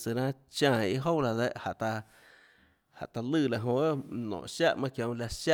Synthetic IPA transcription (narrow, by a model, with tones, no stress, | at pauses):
t͡sɨ˨ɾã˦t͡ʃãː˧˨i˧ɦo˦wla˧d̪e˦˧˨ʔha˨ʔt̪a˧ | ha̰˨t̪a˧lɨː˦˧˨la˨ɦõ˧˦nɔ̰̃ː˨ʔʃa˦ʔmã˦kjõ˧wla˧ʃa˦